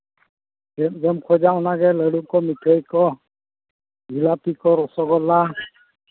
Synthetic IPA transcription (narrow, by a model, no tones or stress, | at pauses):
ɛɡɛmkʰɔd͡ʒaɔnaɡɛləɽukɔmitʰəjkɔ | ɡʱilapikɔɾɔsɔɡɔla